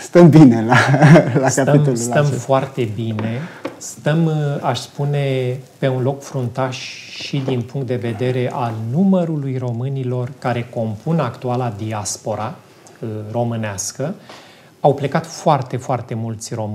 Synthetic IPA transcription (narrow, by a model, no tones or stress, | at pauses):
st̪əmbinelalaskat̪əimt̪olut̪əmfoart̪e̞bine̞st̪əmaʃspune̞pe̞unlo̞kfɾunt̪aʃʃid̪inpuŋkt̪̚d̪eve̞d̪e̞ɾe̞ʔalnuməɾulujro̞mɨnilo̞rkaɾe̞ko̞mpʰunakt̪ualad̪iaspo̞ɾa | ro̞mɨneaskə | awple̞kat̪foart̪e̞foart̪e̞mult̪sʲro̞m